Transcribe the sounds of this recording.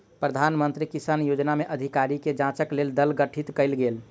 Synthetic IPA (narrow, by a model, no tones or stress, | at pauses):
pɾəd̪ʱanmənt̪ɾikisanjod͡ʒnameʔəd̪ʱikaɾiked͡ʒãt͡ʃəkleld̪əlɡəʈʰit̪kəɪlɡel